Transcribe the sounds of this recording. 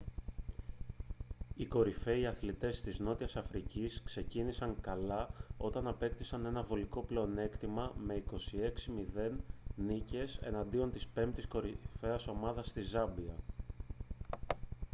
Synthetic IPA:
iko̞ɾife̞iɐθlit̪e̞st̪izno̞t̪iɐsɐfɾiciskse̞cinisɐŋkɐlɐo̞t̪ɐnɐpe̞kt̪isɐne̞nɐvo̞liko̞ple̞one̞kt̪imɐme̞iko̞sie̞ksimiðe̞nːice̞se̞̰nɐnd̪io̞nt̪ispe̞mpt̪isko̞ɾife̞ɐso̞mɐðɐst̪izɐbiɐ

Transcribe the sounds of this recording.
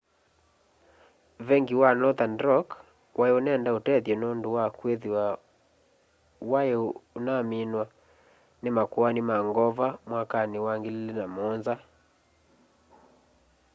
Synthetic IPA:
vɛŋɡiwanɔðandɾɔk | wʔaeonɛndaotɛðjɔnondowakweðiwa | waeonaminwa | nemakwanimaŋɡɔvamwakanewaŋɡellenamɔnza

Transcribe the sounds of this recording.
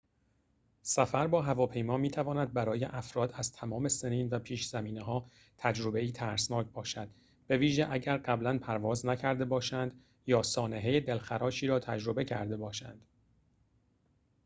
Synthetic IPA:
sæfæɾbɒːɦævɒːpʰe̞jmɒːmiːt̪ʰævɒːnæd̪̚bæɾɒːjeʔæfɾɒːd̪æzt̪ʰæmɒːme̞seniːnvæpʰiːʃz̥æmiːneɦɒː | t̪ʰæd͡ʒɾo̞be̞iːt̪ʰæɾsnɒːcʰbɒːʃæd̪̚ | b̥e̞viːʒeʔæɟæɾɢæblænpʰæɾvɒːznæcʰæɾd̪e̞bɒːʃænd̪ | jɒːsɒːneɦe̞jed̪e̞lxæɾɒːʃiːɾɒːt̪ʰæd͡ʒɾo̞be̞cʰæɾd̪e̞bɒːʃæ̰nd̪̥

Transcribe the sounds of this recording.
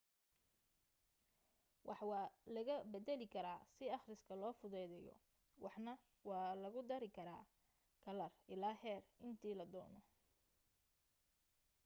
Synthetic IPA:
wʔɑħwɑːlɐɣɐbɛd̪ɛlɪkʰɐɾaːsɪɑχrɪskʰɐlɔːfʊðɛðɛjɔ̰ | wʔɑħnɐ | wɑːlɐɣʊd̪ɐɾɪkʰɐɾa̰ː | kʰɐlɐrʔɪlaːɦɛːrɪnt̪ʰiːlɐd̪ɔːnɔ

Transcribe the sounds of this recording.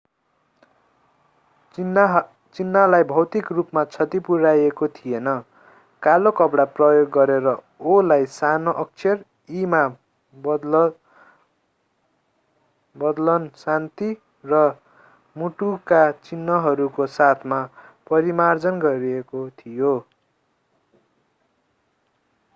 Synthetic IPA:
t͡sinːalajbʱʌwt̪ikrupmat͡sʰʌt̪ipuɾajekot̪ʰijenʌ | kalokʌpɽaprʌjoɡːʌɾeɾʌ | olajsanoʔʌk̚t͡sʰer | ima | bʌd̪lʌnsant̪i | rʌ | muʈukat͡sinːʌɦʌɾukosat̪ʰmapʌɾimard͡zʌnɡʌɾiekot̪ʰijo

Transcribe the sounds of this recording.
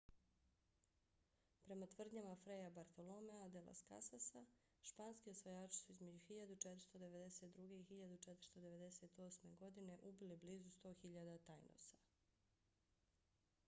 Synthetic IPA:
pɾe̞mat̪ʋr̩d̪ɲamafɾejabaɾt̪o̞lˠomead̪ela̰ska̰sasa | ʃpaːnskiosʋojaːt͡ʃi̥suizme̞d͡ʑuxiʎad̪ut͡ʃet̪ɾ̥st̪o̞d̪e̞ʋed̪e̞set̪̚d̪ɾuɡe̞ixiʎad̪ut͡ʃet̪ɾ̩̥st̪o̞d̪e̞ʋe̞d̪e̞se̞t̪o̞ːsme̞ɡo̞d̪ine̞ʔubilibliːzust̪o̞ːxiʎad̪at̪ajnʔo̰sḁ

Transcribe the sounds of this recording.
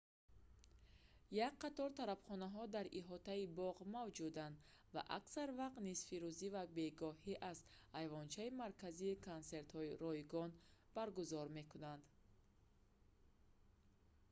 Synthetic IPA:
jak̚qat̪ɔɾt̪ʰaɾabχɔnaɦɔd̪aɾʔiɦɔt̪aibɔʁmavd͡ʒud̪and̪ | va̰ʔa̰ksaɾvaqt̪nisfiɾuzivabe̞ɡɔhiʔazajvɔnt͡ʃʰaimaɾkʰaziːkʰonse̞ɾt̪hɔiɾɔiɡɔnb̥aɾɡuzɔɾme̞kunand̪

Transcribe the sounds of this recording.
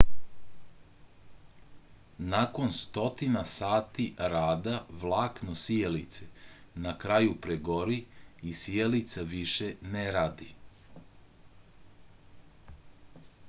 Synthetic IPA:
nako̞nst̪o̞t̪inasaːt̪iɾaːd̪aʋlˠaːknosielit̪se | nakɾajupɾeɡo̞ɾiisijelit̪saʋiʃe̞neɾaːd̪i

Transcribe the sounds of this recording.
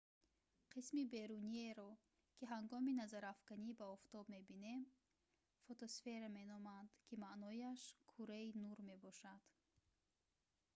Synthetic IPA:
qʰismibe̞ɾunieɾɔ | kʰiɦaŋɡɔminazaɾafkanibaɔft̪ɔbme̞bine̞m | fot̪osfe̞ɾame̞nɔmand̪̥kʰimaʔnɔjaʃkʰuɾeinuɾme̞bɔʃad̪̥

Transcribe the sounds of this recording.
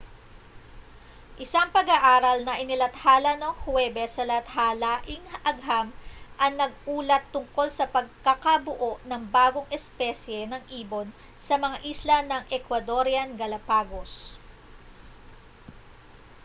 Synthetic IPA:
ʔɪsaŋpɐɡaʔaːɾɐlnɐʔɪnɪlɐt̪haːlɐnoŋhwɛːbɛsɐlɐt̪halaʔɪŋɐɡɦamʔɐŋnɐɡ̚ʔuːlɐt̪ːʊŋko̞lsɐpɐɡ̚kakɐbʊʔo̞ʔnɐŋbaːɡo̞ŋɛspɛsjɛnɐŋʔiːbo̞n | sɐmɐŋaʔislɐnɐŋʔɛkwɐd̪o̞ɾjɐnɡɐlɐpaːɡo̞s

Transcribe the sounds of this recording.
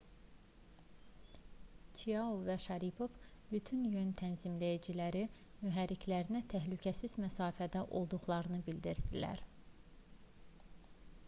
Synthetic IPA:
t͡ʃʰijɑuvæʃɑɾipʰo̞vbyt̪ʰynjønt̪ʰænzimlæjæd͡ʒilæɾi | myɦæɾːicʰlæɾinæt̪ʰæɦlycʰæsizmæsɑːfæd̪æʔo̞lˠd̪uɣlˠɑɾɯnɯbild̪iɾd̪ilæ̰ɾ

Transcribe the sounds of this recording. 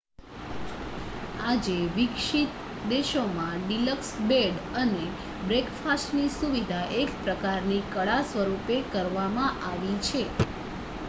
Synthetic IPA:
ad͡ʒeʋikʃit̪ | d̪eʃomãɖiləksbeɖəne | bɾekfasʈnisuʋid̪ʱaʔekpɾəkaɾnikəɭasʋəɾupekəɾʋamãʔaʋit͡ʃʰe

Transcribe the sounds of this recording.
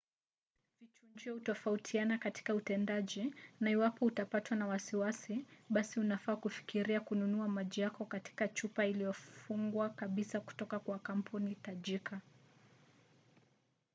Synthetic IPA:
vit͡ʃuɲd͡ʒiɔhutɔfautʰianakati̥kautɛndaʄinaiwapɔutapatwanawasiwasiɓasiunafaːkufi̥kiɾiakununuamaʄijakɔkati̥kat͡ʃupailijɔfuŋɡwakaɓisaku̥tɔkakwakam̩pʰunitaʄika

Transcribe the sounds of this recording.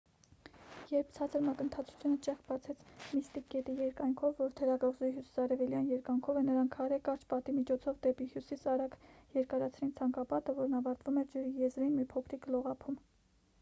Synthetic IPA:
jɛɾp̚ʰt͡sʰɑt͡sʰəɾmɑkənt̪ʰɑt͡sʰu̥t͡sʰjunət͡ʃɛχkbɑt͡sʰɛt͡sʰmist̪ikːɛt̪ijɛɾkɑjŋkʰɔvːɔɾt̪ʰɛɾɑɡɑʁzuiɦjusi̥sɑɾɛvɛljɑnjɛɾkɑŋkʰɔvɛnəɾɑŋkʰhɑɾɛkɑɾt͡ʃʰpɑt̪imit͡ʃʰɔt͡sʰɔvd̪ɛpihjusisɑɾɑɡjɛɾkɑɾɑt͡sʰɾint͡sʰɑŋkɑpɑt̪əvɔɾnɑvɑɾt̪vumɛɾd͡ʒəɾijɛzɾinmipʰɔkʰɾiklɔʁɑpʰum

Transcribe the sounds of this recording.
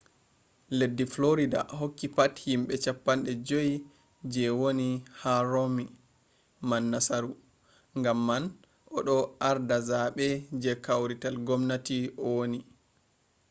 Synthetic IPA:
ledːifloɾida̰ɦokːipathimɓɛt͡ʃapːanɗɛd͡ʒoj | d͡ʒɛwonihaɾomi | manːasaɾu | ŋɡamːan | ʔɔɗɔʔaɾdazaɓɛd͡ʒɛkawɾitalɡɔmnatiɔwoni

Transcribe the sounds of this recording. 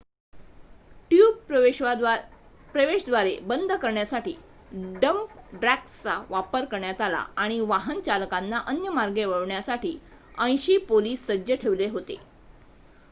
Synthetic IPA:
ʈjuːb̪̚ | pɾəʋeɕd̪ʋaɾebənd̪ʱəkəɾɳjasaʈḭː | ɖəmpɖɾækt͡sa̰ʋapəɾkəɾɳjat̪ala̰aɽ̃iʋaɦənt͡ɕaləkanːaʔənjəmaɾɡeʋəɭɳjasaʈʰiː | ə̃j̃ɕiːpoliːsːəd͡ʑəʈʰeʋleɦot̪ḛ

